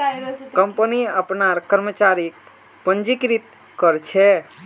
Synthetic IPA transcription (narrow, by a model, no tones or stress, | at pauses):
kəmpəniəpnaɾkəɾmət͡ʃaɾik | pənd͡ʒikɾit̪ | kəɾt͡ʃʰɛ